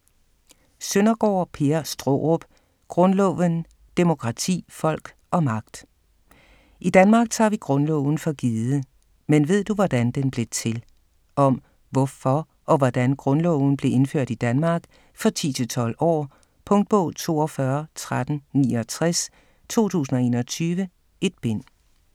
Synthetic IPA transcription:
sønɐɡ̥ɒ̰ːpʰe̝ɐsd̥ʁo̰ʁɔb̥ | ɡ̥ʁɔ̽nlɔʊʋən | d̥e̝mo̝kʰʁɑ̈t͡sʰḭːfɒ̽l̰ɡ̥ | ʔɒ̽mɑ̈ɡ̥̚d̥ | id̥ænmɑ̈ɡ̥̚t͡sʰɑ̰̈ʋiɡ̥ʁɔ̽nlɔ̰ʊn̩fɒ̽ɡ̥iːðˠə | menʋe̝ð̞̰ˠd̥uʋɒd̥ænd̥enb̥le̝t͡sʰe̝l | ʔɒ̽m | ʋɒfɒ | ʔɒ̽ʋɒd̥ænɡ̥ʁɔ̽nlɔʊn̩b̥le̝ʔe̝nføɐ̰d̥id̥ænmɑ̈ːɡ̥ | fɒ̽t͡sʰḭːt͡sʰe̝lt͡sʰɒ̽l̰ɒ̰ː | pʰɔ̽ŋd̥̚b̥ɔ̰̽ːt͡sʰo̝̰ːɒ̽fɶɐt͡sʰʁad̥n̩nḭːɒ̽t͡sʰʁas | t͡sʰo̝̰ːt͡sʰṵːsn̩ɒ̽e̝ːnɒt͡sʰyːʋə | e̝d̥̚b̥e̝n̰

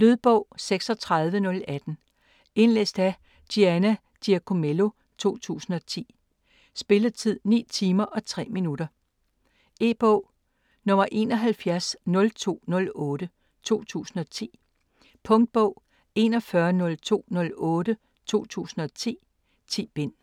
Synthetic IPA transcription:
løð̞ˠb̥ɔʊ̰seɡ̥sɒ̽t͡sʰʁaðˠʋənɔ̽læd̥n̩ | e̝nlḛsd̥æ | d̥ʰiænæ | d̥iækʰo̝melo̝ | t͡sʰo̝̰ːt͡sʰṵːsn̩ɒ̽t͡sʰḭː | sb̥e̝lət͡sʰið̰ˠnḭːt͡sʰiːmɐʔɒ̽t͡sʰʁɛ̰ːminuɾ̥ɐ | e̝̰ːb̥ɔʊ̰ | nɔ̽mɐʔe̝ːnɒɦælfjæɐsnɔ̽lt͡sʰo̝̰ːnɔ̽lɔ̽ːɾə | t͡sʰo̝̰ːt͡sʰṵːsn̩ɒ̽t͡sʰḭː | pʰɔ̽ŋd̥̚b̥ɔʊ̰ | e̝nɒ̽fɶɐnɔ̽lt͡sʰo̝̰ːnɔ̽lɔ̽ːɾə | t͡sʰo̝̰ːt͡sʰṵːsn̩ɒ̽t͡sʰḭː | t͡sʰḭːb̥e̝n̰

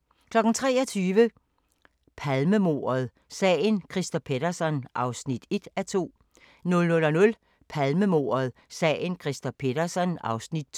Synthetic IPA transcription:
kʰlɒ̽ɡ̥n̩t͡sʰʁɛːɒ̽t͡sʰyːʋə | pʰælməmo̝̰ːɐð̞̩ˠ | sɛ̰ːnkʰʁisd̥ɒpʰe̝d̥ɐsɒ̽nʔɑ̈ʊsnid̥e̝d̥æt͡sʰo̝̰ː | nɔ̽lnɔ̽lɒnɔ̽l | pʰælməmo̝̰ːɐð̞ˠsɛ̰ːn̩kʰʁisd̥ɒpʰe̝ɾ̥ɐsɒ̽nɑ̈ʊsnid̥̚t͡sʰ

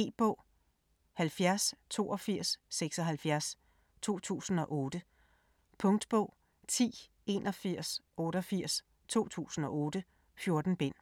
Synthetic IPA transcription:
e̝̰ːb̥ɔ̽ʊ̰ | hælfjæɐst͡sʰo̝̰ːɒfiɐ̰sːeɡ̥sɒ̽ɦælfjæɐs | t͡sʰo̝̰ːt͡sʰṵːsn̩ɒ̽ʔɔːd̥ə | pʰɔ̽ŋd̥b̥ɔ̰̽ʊ̰ | t͡sʰḭː | e̝nʔɒ̽fiɐ̰sʔɔ̽ːɾɒfiɐ̰s | t͡sʰo̝̰ːt͡sʰṵːsn̩ɒ̽ʔɔ̽ːd̥ə | fjo̝ɐd̥n̩b̥e̝n̰

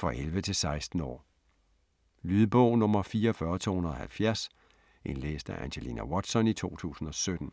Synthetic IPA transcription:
fʁɒʔelʋət͡sʰe̝lsɑ̈ɪsd̥n̩ɒ̰ː | lyðˠb̥ɔ̽ʊ̰nɔ̽mɐfiːɐɒfɶɐt͡sʰo̰ːhunɐðˠɒhælfjæɐs | ʔe̝nlḛːsd̥æʔænɕelḭnæwɒ̽d̥sɒ̽nit͡sʰo̝̰ːt͡sʰṵːsn̩ɒ̽sød̥n̩

